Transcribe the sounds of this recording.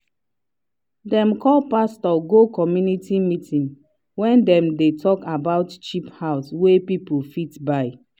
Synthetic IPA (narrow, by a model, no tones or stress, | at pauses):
dɛ̃mkɔlpastɔɡokɔmjunitimitĩn | wɛ̃ndɛ̃mdetʰɔkabaʊtt͡ʃiphaʊswepipulfitbaɪ